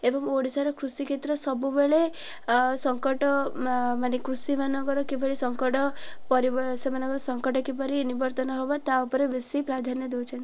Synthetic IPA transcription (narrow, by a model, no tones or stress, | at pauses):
ebɔŋoɽisaɾɔkɾusikʰet̪ɾɔsɔbubeɭe | sɔŋkɔʈɔmanekɾusimanɔɡɔɾɔkibʱɔɽisɔŋkɔʈɔpɔɾibɔsemanɔɡɔɾɔsɔŋkɔʈɔkipɔɾinibɔɾt̪ɔnɔɦobat̪aupɔɾebesipɾad̪ʱanjɔd̪ʱewt͡ʃʰɔnt̪i